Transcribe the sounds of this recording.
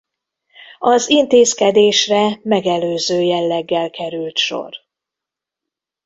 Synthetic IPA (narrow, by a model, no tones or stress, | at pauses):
ɒzint̪eːskɛd̪eːʃrɛmɛɡɛløːzøːjɛlːɛɡːɛlkʰɛɾylt̪ʃo̞̰r